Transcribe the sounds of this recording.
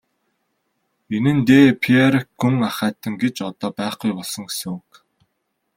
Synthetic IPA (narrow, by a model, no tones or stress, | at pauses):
enɘ̆nt̪eːpʰieɾɡuŋaχæːt̪ʰə̆ŋɡet͡ɕɔt̪ɔːpæːχɡujpɔɮsɞ̆ŋsʊːk